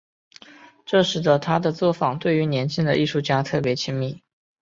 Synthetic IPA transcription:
ʈ͡ʂɤ˥˩ʂɻ̩˧˥d̪ə˧t̪ʰa˥d̪ə˨t͡swɔ˥˩fɑ˨˩ŋt̪we˥˩ɪy˧˥njɛ˧˥nt͡ɕʰi˥ŋd̪ə˨ʔi˥˧ʂu˥˩t͡ɕja˥t̪ʰɤ˥˩pjɛ˧˥t͡ɕʰi˥ŋmi˥˩

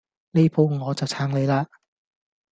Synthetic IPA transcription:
le˥pʰo˧wŋɔː˨˧t͡sɐ˨wt͡sʰaː˨˥ŋle˨˧jlaː˧

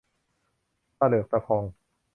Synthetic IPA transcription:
pa˧˩lɤː˨˩k̪̚a˧pʰɔː˧ŋ

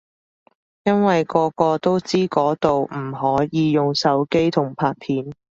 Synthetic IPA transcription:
jɐ˥nwɐ˨jkɔː˧kɔː˧t̪o˥wt͡siː˥kɔː˨˥t̪o˨wm̩˨˩ɦɔː˨˥jiː˨˧jʊ˨ŋsɐ˨˥wke˥jt̪ʰʊ˨˩ŋpʰaː˧k̚pʰiː˨˥n

